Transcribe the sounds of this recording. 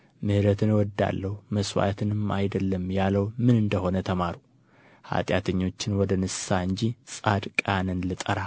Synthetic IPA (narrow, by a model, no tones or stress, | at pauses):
mɨhɾət̪ʰɨnwɔd̪ːa̰lːəhuməswa̰t̪ʰɨnɨmajd̪əlːəmjaləwmɨnɨnd̪əho̞nət̪ʰəmaɾu | ha̰t̪ʼjat̪ʰəɲːo̞t͡ʃːɪnwɔd̪ənɨsaɨɲd͡ʒisʼad̪kʼanɨnlɨt̪ʼəɾa